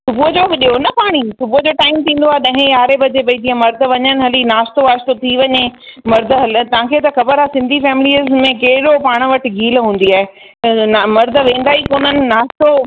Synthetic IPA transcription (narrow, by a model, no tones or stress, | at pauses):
sʊbuəd͡ʑoɗijonɐpaːɽ̃isʊbuɦəd͡ʑoːʈaːɪmt̪ʰĩːn̆d̪oaːɦeɗɐ̃ɦẽjaːɾebɐd͡ʑebɐĩd̪iãmɐɾd̪ʱə̆ʋɐɲənɪ̆ɦɐlinaːst̪oaːst̪ot̪ʰiʋɐɲemɐɾd̪ʱɦɐlt̪ɐʋãːkʰet̪ɐxɐbəɾaːsɪ̃nd̪ʱifɛːmɪliəzmẽkɐɦɪɗopaːɽ̃̆ʋɐʈɪ̆ɡʱiːlɦũːn̆d̪iaːɦe | mɐɾd̪ʱʋẽːn̆d̪aːikoːnənɪ̆naːst̪o